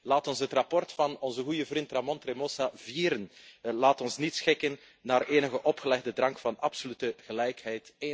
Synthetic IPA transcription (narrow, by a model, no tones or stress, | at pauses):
laːtɔnsɦətrɑpɔrtfɑnɔnzəɣujəvrintramɔntremosaviːɾənlaːtɔnsnitsxɪkənː | aːreːnəɣəʔɔpxəlɛɣdədrɑŋkfɑnɑpsolytəɣəlɛjkɦɛjte